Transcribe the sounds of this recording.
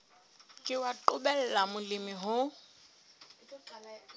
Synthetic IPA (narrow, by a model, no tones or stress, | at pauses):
kʼɪwaǃʼʊbɛl̩lamʊlɪmɪɦʊ